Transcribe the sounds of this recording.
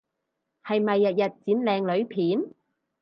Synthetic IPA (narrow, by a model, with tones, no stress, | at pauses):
hɐ˨jmɐ˨jːɐ˨t̚jɐ˨t̚t͡siː˨˥nlɛː˨˧ŋlɵ˨˥ɥpʰiː˨˥n